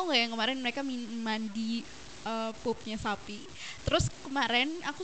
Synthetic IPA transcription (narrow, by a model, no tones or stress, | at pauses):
ŋɡajaŋkəmaɾɛnməɾekamimandi | əpop̚ɲasapi | t̪əɾʊskəmaɾɛnaku